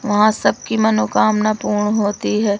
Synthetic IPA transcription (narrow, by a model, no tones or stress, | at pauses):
ʋɐɦãsɐb̚kimɐnokaːmnapuːɾɳɦoːt̪iɦɛː